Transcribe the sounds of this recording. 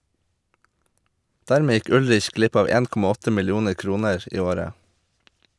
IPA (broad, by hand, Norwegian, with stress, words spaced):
ˈdæːɾmeː ˈjɪk ˈʉlɾɪç ˈɡlɪp ˈɑːʋ ˈeːn ˈkɔmɑ ˈɔtə mɪlˈjuːnəɾ ˈkɾuːnəɹ ˈiː ˈoːɾə